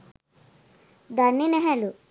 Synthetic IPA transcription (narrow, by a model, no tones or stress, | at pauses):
d̪ɐnːinɛɦɛlu